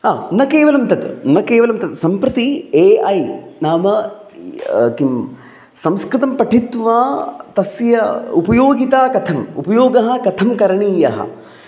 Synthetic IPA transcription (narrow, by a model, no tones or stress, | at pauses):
aːnɐkeːʋɐlɐmt̪ɐt̪nɐkeːʋɐlɐmt̪ɐt̪sɐmpɾɨt̪ieːʔɐjnaːmɐ | kim | sɐmskɾɨt̪ɐmpɐʈʰit̪ʋaːt̪ɐsjɐupɐjoːɡit̪aːkɐt̪ʰɐmṵpɐjoːɡɐɦɐ̆kɐt̪ʰɐmkɐɾɐɳiːjɐɦɐ̰